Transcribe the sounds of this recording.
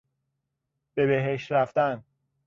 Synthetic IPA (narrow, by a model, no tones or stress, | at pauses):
b̥e̞be̞ɦeʃt̪ɾæft̪æn